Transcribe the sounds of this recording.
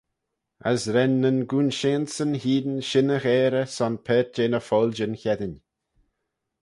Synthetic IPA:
ə̰sɾɛnːənɡuːnʃeːnsənhiːd̪ənʃɪnəɣɛːɾəsɔnpʰɛːt̚d͡ʒ̥eːnəfɔːld͡ʒənçɛd̪ɪnʲ

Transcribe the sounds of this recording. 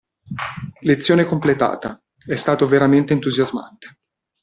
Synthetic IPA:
let̪sːjoːnekomplet̪a̰ːt̪a | ɛst̪aːt̪oveɾament̪eːnt̪uzjazma̰nt̪e̥

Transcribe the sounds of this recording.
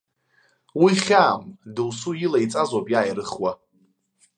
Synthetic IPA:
wiχʲaːmdɨwsujɪlajt͡sʼazopʼjaːjɾɨχwa

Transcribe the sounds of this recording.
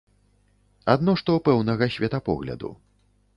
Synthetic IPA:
ad̪nɔʂt̪ɔpɛwnɐɣɐsʲvʲɛt̪ɐpɔ̰ɣlʲɐ̰d̪ṵ

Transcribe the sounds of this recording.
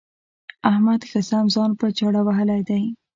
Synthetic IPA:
ahmad̪xasamzɑnpət͡ʃaɽawaɦəlajd̪aj

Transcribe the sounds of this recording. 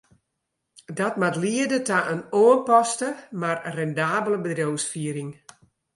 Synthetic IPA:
dɔtmatliədətaʔənoːənpɔstəmarrɛndaːbələbədrjowsfiəɾɪŋ

